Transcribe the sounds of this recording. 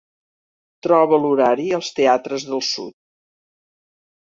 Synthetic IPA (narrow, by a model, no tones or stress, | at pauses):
t̪ɾɔβəluɾaɾiəlˠst̪eat̪ɾəzðəlˠsṵt̪̚